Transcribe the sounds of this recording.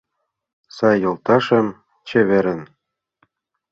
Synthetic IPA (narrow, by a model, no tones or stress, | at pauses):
sɑjːɤ̆lˠt̪ɑʃɤ̆m | t͡ɕɘ̆βɘ̆ɾɘ̆n